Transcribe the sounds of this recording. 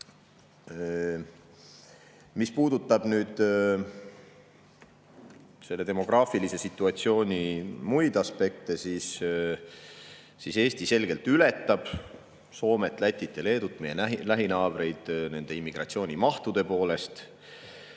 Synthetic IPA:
mispuːd̪̥ut̪ːˑɑb̥nyːd̪̥ | se̞lːe̞t̪e̞mo̞ɡ̥rɑːfilise̞sit̪ːˑuɑt̪sio̞ːnʲimujd̪ɑspe̞k̚t̪e̞sis | ise̞ːst̪ise̞lɡ̥e̞lt̪yle̞t̪ːˑɑb̥ | so̞ːme̞t̪ːˑlæt̪ʲːˑit̪ːˑele̞ːd̪̥ut̪ːme̞jenælæɦinɑːb̥re̞jd̪̥ne̞nd̪e̞imːiɡ̥rɑ̰t̪sio̞ːnʲimɑht̪ud̪̥e̞po̞ːle̞st̪

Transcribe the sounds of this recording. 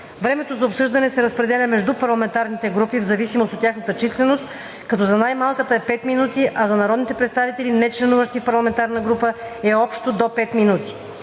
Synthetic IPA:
vɾɛmɛt̪ozɐopsɤʒd̪ɐnɛsɛɾəspɾɛd̪ɛlʲəmɛʒd̪upɐɾlˠɐmɛnt̪aɾnit̪ɛɡɾupivzɐvisimost̪ot̪ʲːjaxnət̪ət͡ʃislɛnost̪ | kɐt̪ɔzɐnajmalˠkət̪əɛpɛt̪minut̪iʔɐzɐnɐɾɔd̪nit̪ɛpɾɛt̪st̪avit̪ɛlinɛt͡ʃlɛnuvəʃt̪ifpɐɾlˠɐmɛnt̪aɾnəɡɾupəɛɔpʃt̪od̪opɛt̪minut̪i̥

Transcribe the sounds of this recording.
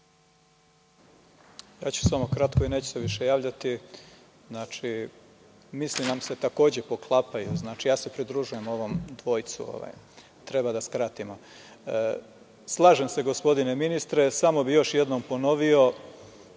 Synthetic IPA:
ja̰ːt͡ɕu̥samo̞kɾat̪kʰoineːt͡ɕu̥seʋiʃe̞jaːʋʎat̪i | znaːt͡ʃi | mislinamse̞t̪ako̞ːd͡ʑe̞po̞klˠapajuznaːt͡ʃijaːse̞pɾid̪ɾuʒuje̞mo̞ʋo̞md̪ʋo̞ːjt̪sṵo̰ʋa̰j | t̪ɾe̞bad̪askɾat̪imo | slˠaːʒe̞mse̞ɡo̞spo̞d̪ine̞minist̪ɾe̞samo̞bijo̞ʃjed̪nompo̞no̞ʋio̞

